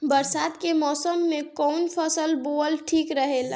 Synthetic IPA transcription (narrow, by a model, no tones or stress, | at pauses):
bəɾsat̪kemɔːsəmːekɔnpʰəsəlboəlʈʰikɾəɦel